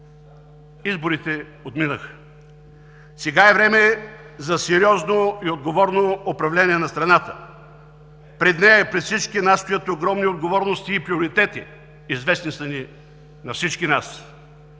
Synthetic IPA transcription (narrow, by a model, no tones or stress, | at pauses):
izboɾit̪ɛ | ot̪minəx | sɛɡaɛvɾɛmɛ | zɐsɛɾiɔznoiod̪̚ɡovɔɾnoːpɾɐvlɛnʲiɛnɐst̪ɾɐnat̪ə̥ | pɾɛd̪nɛjəpɾɛt̪fsit͡ʃkinasst̪ojət̪oɡɾɔmniod̪ɡovɔɾnost̪iːpɾioɾit̪ɛt̪ḭ | izvɛsnisɐni | nɐfsit͡ʃkinas